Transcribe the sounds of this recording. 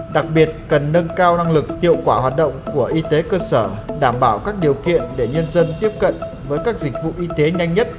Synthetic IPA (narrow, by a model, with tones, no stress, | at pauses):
ɗa˨˩k̚ɓi˨˩ət̚kə˨˩nːə˧nkaː˧wna˧ŋlɨ˨˩k̚hḭ˧˨əwkwaː˧˩ɦwaː˨˩t̚ɗə̰˧˨wŋ͡mku˧˩əʔi˧t̪e˨˦kəː˧səː˧˩ɗaː˧˩mɓaː˧˩wkaː˦˥k̚ɗi˨˩əwkḭ˧˨ənɗe˧˩ɲə˧nzə˧nt̪i˦˥əp̚kə̰˧˨n | vəː˨˦jkaː˦˥k̚zï˨˩k̟̚vṵ˧˨ʔi˧t̪e˨˦ɲa˧jŋ̟ɲə˦˥t̚